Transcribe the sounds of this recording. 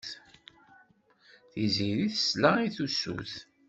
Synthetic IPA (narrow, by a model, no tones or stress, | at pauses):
θ | θiziɾiθə̥slaiθusṵθ